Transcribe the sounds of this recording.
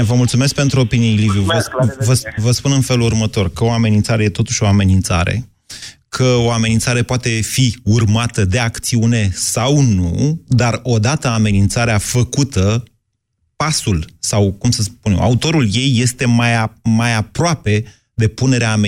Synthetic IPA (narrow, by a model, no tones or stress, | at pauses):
vəmult̪sume̞sk̚pe̞nt̪ɾuo̞pinielivjuvəvəvəspunɨnfe̞lurmət̪o̞rkəo̞ame̞nint̪saɾe̞je̞t̪o̞t̪uʃʲo̞ame̞nint̪sa̰ɾḛ | kʰəo̞ame̞nint̪saɾe̞poat̪e̞fiurmat̪əd̪e̞akt̪siune̞sawnud̪aro̞d̪at̪əame̞nint̪saɾeafəkut̪ə | pasulsawkumsəspunḛwʔa̰ut̪o̞ɾulje̞jːe̞st̪e̞majamajapɾoape̞ | d̪e̞pune̞ɾeaːme